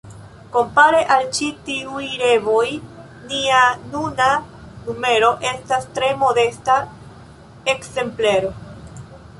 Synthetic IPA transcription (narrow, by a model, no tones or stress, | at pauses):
ko̞mpaɾe̞ʔalt͡ʃitiujɾe̞vo̞j | nianuna | nume̞ɾo̞ʔe̞stastɾe̞mo̞de̞sta | e̞kse̞mpleɾo̞